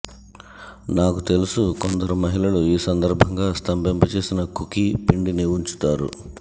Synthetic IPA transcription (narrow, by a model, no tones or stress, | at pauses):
naːkut̪e̞lusukond̪ɐɾumɐɦilɐluiːsɐnd̪ɐɾbʱɐŋɡaːst̪ɐmbɛmpɐt͡ʃe̞ːsinɐkukipiɳɖiniuɲt͡ʃu̥t̪aːɾṵ